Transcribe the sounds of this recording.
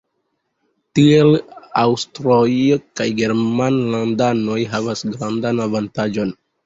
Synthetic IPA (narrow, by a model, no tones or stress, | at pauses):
tie̞lawstɾojkajɡe̞ɾmanlandanojɦavasɡɾandanavantad͡ʒo̞n